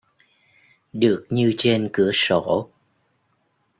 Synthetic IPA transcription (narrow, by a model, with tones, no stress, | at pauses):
ɗɨ˨˩ək̚ɲɨ˧t͡ɕe˧nkɨ˧˩əso̰˧˩˨